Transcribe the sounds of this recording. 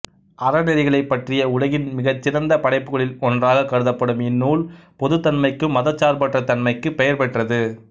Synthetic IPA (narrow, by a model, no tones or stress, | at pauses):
ʔɐɾɐnɛɾɪɣɐɭɐɪpːɐʈrɪjɐʊlɐɣɪnmɪɣɐt͡ʃːɪrɐnd̪ɐpɐɽɐɪpːɯɣɐɭɪlɔndraːɣɐkːɐɽɯðɐpːɐɽɯmɪnːuːlpɔðɯt̪ːɐnmɐɪkːɯmːɐðɐt͡ʃːaːɾpɐʈrɐt̪ɐnmɐɪkːɯpːɛjɐɾpɛʈrɐðɯ